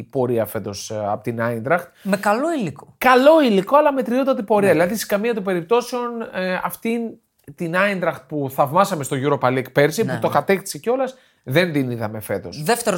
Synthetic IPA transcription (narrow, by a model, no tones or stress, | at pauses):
po̞ɾiɐfe̞t̪o̞sɐ̰pot̪inɐind̪ɾɐxt̪mekɐlo̞ilikokɐlo̞iliko̞ɐlɐme̞t̪ɾio̞t̪ɐt̪ipo̞ɾiɐðilɐðise̥kɐmiɐt̪upe̞ɾip̚t̪o̞seo̞nɐ̰ft̪in | t̪inɐind̪ɾɐxt̪̚puθɐvmɐsɐme̞st̪o̞ʝuɾo̞pɐliek̚peɾsiput̪okɐt̪e̞kt̪sico̞lɐs | ðe̞nd̪iniðɐme̞fe̞t̪o̞̰sðeft̪eɾo